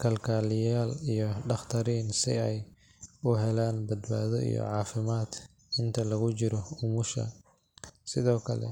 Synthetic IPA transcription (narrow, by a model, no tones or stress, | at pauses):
kʰɐlkʰaːlɪjaːlijɔɖɑχt̪ʰɐɾiːnsɪ̰ɛj | ʊɦɛlaːnbɐd̪ba̰ːðɔḭjɔ̰ʕɑːfɪmaːd̪ | ɪnt̪ʰɐlɐɣʊt͡ʃɪɾɔʊmʊʃɐ̰ | sɪðɔːkʰɐlɛ̰